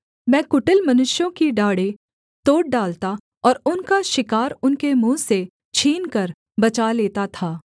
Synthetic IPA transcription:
mɛ̃ːkʊʈəlmɐnʊʃjõkiɖaːɽe | t̪oːʈ̚ɖaːlt̪a | ɔːɾʊnkaʃɪkaːɾʊnkemũːse | t͡ʃʰiːnkɐɾ | bɐt͡ʃaleːt̪at̪ʰaː

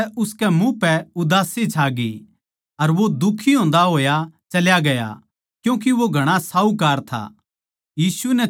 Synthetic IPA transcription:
ʊskɛmũpɛʊd̪aːsit͡ʃʰaːɡḭ | ɐɾʋod̪ʊkʰːiɦõːn̆d̪aɦoːjat͡ʃɐljaɡɐja̰ | kjũːk̬iʋoɡʱɐɽ̃asaːukaːɾt̪ʰa̰ː | jiːsunɛ

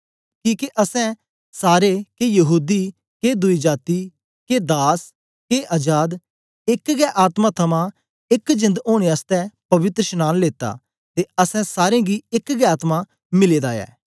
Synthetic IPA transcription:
kĩːkeʔɐsɛ̃ | saːɾekejɐɦuːd̪iː | ked̪ʊiːd͡ʒaːt̪iː | ked̪aːs | keːʔaːd͡ʒaːd̪ | ɪkɡɛːʔaːt̪mat̪ʰɐmã | ɪkd͡ʒɪ̃nd̪oːɽ̃east̪ɛpɐʋɪt̪ɾəʃənaːnleːt̪a̰ː | t̪eɐsɛ̃saːɾẽɡiːɪkɡɛːaːt̪ma | mɪleːd̪aːjɛ̰ː

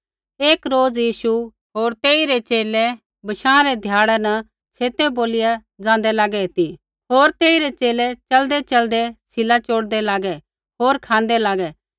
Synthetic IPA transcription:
eːkɾoːd͡zjiːʃu | ɦoːɾt̪eːiɾet͡ʃeːlɛ | bɐʃãːɾɛd̪ʱjaːɽɛnɐ | sʰeːt̪ɛboːlɪja | d͡zãːnd̪ɛlaːɡɛt̪i | ɦoːɾt̪eːiɾet͡ʃeːlɛt͡ʃɐld̪ɛt͡ʃɐld̪ɛsʰɪlat͡ʃoːɽd̪ɛlaːɡɛ | ɦoːɾkʰãːnd̪ɛlaːɡɛ

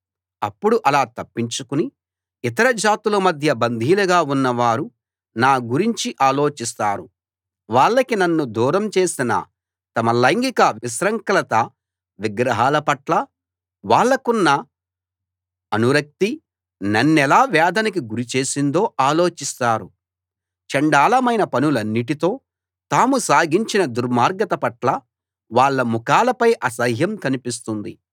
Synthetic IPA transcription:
ɐpːuɽuʔɐlaːt̪ɐpːiɲt͡ʃukuni | it̪̬ɐɾɐd͡ʒaːt̪ulɐmɐd̪ʱjɐbɐnd̪ʱiːlɐɡaːunːɐʋaːɾu | naːɡuɾiɲt͡ʃiʔaːlo̞ːt͡ʃist̪aːɾu | ʋaːɭːɐkinɐnːud̪uːɾɐmt͡ʃe̞ːsinɐ̰ | t̪ɐmɐlɐjŋɡikɐʋisɾɐŋkɐlɐt̪ɐ | ʋiɡɾɐɦaːlɐpɐʈlɐ | ʋaːɭːɐkunːɐ | ɐnuɾɐk̚t̪i | nɐnːɛlaːʋɛːd̪ʱɐnɐk̬iɡuɾit͡ʃe̞ːsind̪o̞ːʔaːlo̞ːt͡ʃist̪aːɾu | t͡ʃɐɳɖaːlɐmɐjnɐpɐnulɐnːiʈit̪o̞ː | t̪aːmusaːɡiɲt͡ʃinɐd̪uɾmaːɾɡɐt̪ɐpɐʈlɐ | ʋaːɭːɐmukaːlɐpɐjʔɐsɐɦjɐmkɐnipis̬t̪und̪ḭ

